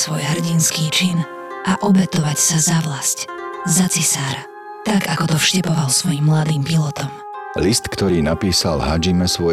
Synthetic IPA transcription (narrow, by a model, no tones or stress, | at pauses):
sʋɔjɦr̩ɟinskiːt͡ʃin | ʔaʔɔbɛt̪ɔʋacsazaʋlasczat͡sisaːɾa | t̪akakɔt̪ɔfʃcɛpɔʋalsʋɔjimːlad̪iːmpilɔt̪ɔm | list̪kt̪ɔɾiːnapiːsalɦad͡ʒimɛsʋɔ